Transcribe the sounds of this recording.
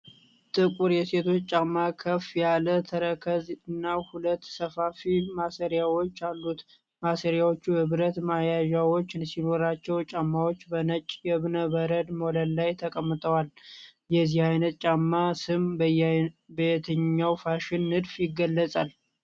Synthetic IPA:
t̪ʼɨkʼuɾjɛse̞t̪ʰo̞t͡ʃːt͡ʃʼamːakʰəfjalət̪ʰəɾəkʰəzɨnːahulət̪ːsəfafimasəɾjawo̞t͡ʃːalːut̪ | masəɾjawot͡ʃːuhɨβɾət̪majaʒawo̞t͡ʃːsino̞ɾat͡ʃːɛwt͡ʃʼamːawo̞t͡ʃːbənət͡ʃʼjɛβnəbəɾəd̪molənːajt̪ʰəkʼəmːɨt̪ʼəwaljɛzihajnət̪̚t͡ʃʼamːasɨmbbet̪ʰɨɲːawfaʃɪnːɨd̪fjɪɡːəlːəsʼal

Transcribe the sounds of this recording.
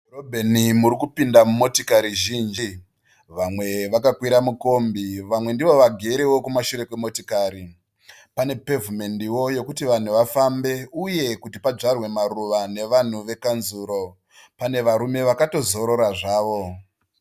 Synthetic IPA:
robʱenimuɾikupindamumo̞tikaɾiʒiːnd͡ʒi | ʋamwe̞ʋakakwiɾamuko̞mbiʋamwe̞ndiʋo̞ʋaɡʱe̞ɾewo̞kumaʃuɾe̞kwemo̞tikaːɾi | pane̞pe̞vumendiwo̞jo̞kutiʋan̤uʋafambe̞uje̞kutipad͡ʐarwe̞maɾuʋane̞ʋan̤uʋe̞kanzuːɾo̞ | pane̞ʋaɾume̞ʋakato̞zo̞ɾo̞ɾaʐaːʋo̞

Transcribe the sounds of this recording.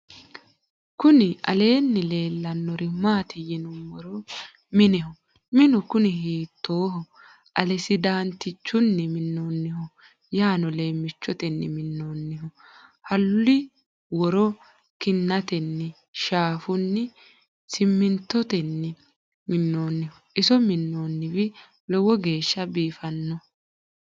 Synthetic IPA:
kʊnɪʔɐ̰le̞ːnːɪle̞ːlːɐnːɔɾɪmaːt̪ɪjɛnʊmːɔɾɔ | mɪnɛhɔ | mɪnʊkʊnɪhiːt̪ːoːhɔ | ʔɐlɛsɪd̪aːnt̪ɪt͡ʃːʊnːɪmɪnːoːnːɪhɔ | jaːnɔle̞ːmːɪt͡ʃːɔt̪ɛnːɪmɪnːoːnːɪhɔ | hɐlʊɪ | wɔɾɔ | kɪnːɐt̪ɛnːɪ | ʃaːfʊnːɪ | sɪmːɪnt̪ːɔt̪ɛnːɪ | mɪnːoːnːɪhɔ | ɪsɔmɪnːoːnːɪβɪ | lɔwɔɡe̞ːʃːɐbiːfɐnːɔ

